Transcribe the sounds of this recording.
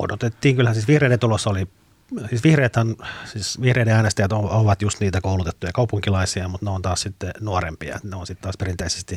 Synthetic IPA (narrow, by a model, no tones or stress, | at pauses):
o̰dot̪et̪ːiːŋkylhænsiːsʋihreident̪ulosːoli | siːsʋihreːt̪hɑnsiːsʋihreideɑinɑst̪ɑjɑt̪ooʋɑt̪just̪niːt̪ækoulut̪et̪ːujɑkɑupuŋkilɑisiɑmut̪neont̪ɑːssit̪ːenuorḛmpiɑ̰et̪neonsit̪t̪ɑːsperint̪eise̥st̪i